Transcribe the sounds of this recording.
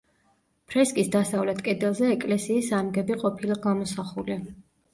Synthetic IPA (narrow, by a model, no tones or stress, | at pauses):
pʰɾɛskʼisd̪asavlɛt̪ʰkʼɛd̪ɛlˠzɛːkʼlɛsiːsamɡɛbiqʼɔpʰilˠaɡamɔsaχuli